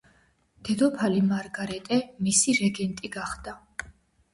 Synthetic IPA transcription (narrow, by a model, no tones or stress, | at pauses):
d̪̥ɛd̪ɔpʰalimaɾɡaɾɛt̪ʼɛmisiɾɛɡɛnt̪ʼiɡaχd̪a